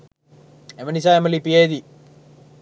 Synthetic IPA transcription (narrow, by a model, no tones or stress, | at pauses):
emɐnisaːemɐlipieːd̪i